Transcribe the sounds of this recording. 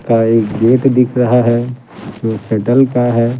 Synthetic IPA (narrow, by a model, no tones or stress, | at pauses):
kaeːkɡeːʈd̪ɪkʰɾɐɦaɦɛ | d͡ʒoːseːʈəlkaɦɛː